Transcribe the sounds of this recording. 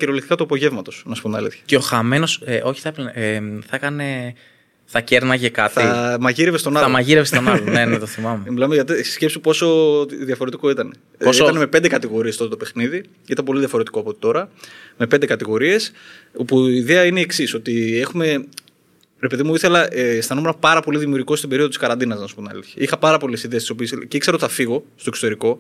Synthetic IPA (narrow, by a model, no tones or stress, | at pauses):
ceɾoliktikɐt̪uɐpo̞ʝe̞vmɐt̪o̞snɐsu̥pumɐ̰lḭθçɐ̥ceo̞xɐme̞no̞seʔo̞çi̥θɐpθɐkɐne̞ | θɐce̞ɾnɐʝekɐt̪imɐʝiɾevest̪o̞nɐlɐmɐʝiɾevest̪onɐlonenet̪oθimɐmemilɐmeʝɐt̪isce̞psipo̞so̞ðjɐfo̞ɾet̪i̥ko̞it̪ɐne | oit̪ɐneme̞pe̞nd̪ekɐt̪iɣo̞ɾiest̪o̞t̪ɐt̪opexniði | it̪ɐmp̬o̞liðʝɐfo̞ɾe̞t̪i̥ko̞ɐpo̞t̪e̥t̪o̞ɾɐme̞pend̪ekɐt̪iɣo̞ɾie̞sopuiːðe̞ɐineieksiso̞t̪ie̞xume̞ | ɾepe̞ðimuiθe̞lɐʔest̪ɐnomeɾɐpɐɾɐpo̞liðimiuɾʝiko̞st̪ibe̞ɾioðot̪iskɐɾɐnd̪inɐznɐsu̥pot̪nɐ̰liçiixɐpɐɾɐpo̞lesiðest̪iso̞piesceikseɾot̪θɐfiɣo̞st̪o̞eksot̪eɾiko̞